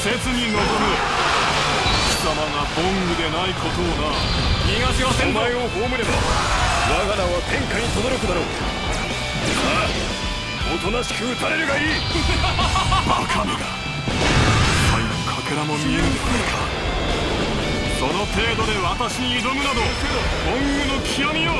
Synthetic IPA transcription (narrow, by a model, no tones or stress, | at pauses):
se̞t͡sɨɲ̟ino̞zomɯ̟ | ɕi̥k̪amaŋabõŋɡɯ̟d̪e̞naikʰo̞t̪oːna | ɲʲiɡat͡ɕiosẽ̞mpaio̞hoːmɯɾe̞banaɡaɾaβakʰẽ̞ŋkaɲ̟it̪od̪o̞ɾo̞kɯ̟d̪aɾoː | a | ot̪o̞naɕɯːsaɾe̞ɾɯ̟ɡaiː | bakʰameɡ̪a | tʰainokʰake̞ɾamo̞mʲieɾɯpoaikʰa | so̞no̞t̪e̞ːd̪o̞d̪e̞βat̪aɕiɲiːɾomɯ̟nad̪oked̪o | b̥õŋɡɯ̟nokʲʰijamʲio